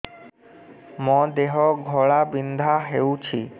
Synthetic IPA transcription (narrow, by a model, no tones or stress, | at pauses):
mɔ̃d̪eɦɔɡʱɔɭabind̪ʱaɦeut͡ɕʰi